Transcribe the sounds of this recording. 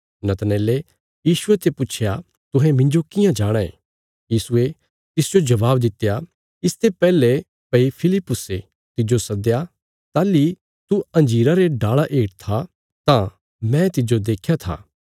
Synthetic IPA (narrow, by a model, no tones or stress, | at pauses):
nɐt̪nɛːle | jiːʃʊet̪epʊt͡ʃʰja | t̪ʊ̃ɦɛ̃mɪ̃ɲd͡ʒokɪjãd͡ʒaːɽ̃aḛː | jiːsʊe | t̪ɪsd͡ʒod͡ʒɐʋaːb̚d̪ɪt̪ːeja | ɪst̪ʰepɛːle | pɐipʰɪlɪpːʊse | t̪ɪd͡ʒosɐd̪eja | t̪aːli | t̪uɐ̃nd͡ʒiːɾaɾeɖaːɭaʔeːʈt̪ʰa | t̪ã | mɛ̃t̪ɪd͡ʒod̪eːkʰjat̪ʰa̰ː